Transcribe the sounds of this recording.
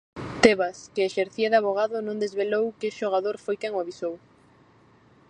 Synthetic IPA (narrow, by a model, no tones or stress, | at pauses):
t̪eβaskeːʃeɾθiaðaβoɣ̞aðʊnõŋd̪ezβelowkɪʃoɣaðoɾfojkɛŋoaβisow